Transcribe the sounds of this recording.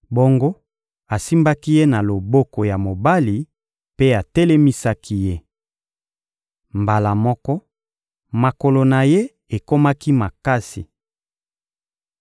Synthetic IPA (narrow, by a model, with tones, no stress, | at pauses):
bo˦ŋɡo˦ | a˨si˦mba˦ki˦je˦na˨lo˨bo˦ko˨ja˨mo˨ba˦li˨ | pe˦a˨tɛ˦le˦mi˦sa˦ki˦je˦ | mba˨la˨mɔ˦kɔ˦ | ma˨ko˨lo˨na˨je˦ | e˨ko˦ma˦ki˦ma˨ka˦sḭ˨